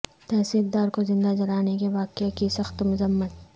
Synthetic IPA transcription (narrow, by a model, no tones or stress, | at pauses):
t̪ɛːsiːk̚d̪aːɾkozɪ̃nd̪ad͡ʒɐɾaːnekeʋaːqekisɐxt̪mʊzəmːət̪̚